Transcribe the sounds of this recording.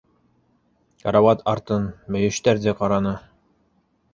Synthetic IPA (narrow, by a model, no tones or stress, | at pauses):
kɑɾɑwɑt̪ɑɾt̪ɤnmɵ̆jɵ̆ʃt̪æɾd̪æqɑɾɑnɤ